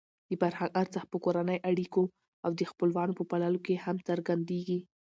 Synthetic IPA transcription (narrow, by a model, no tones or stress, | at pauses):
d̪̥əfaɾhaŋɡaɾt͡saxpəkoɾanəjʔaɽiko | awd̪əxpəlwɑnopəpalɑlokehamt͡səɾɡand̪eɡi